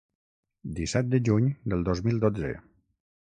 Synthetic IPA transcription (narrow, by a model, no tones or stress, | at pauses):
d̪isɛt̪̚d̪əʒuɲd̪əlˠd̪ozmilˠd̪od͡zə̰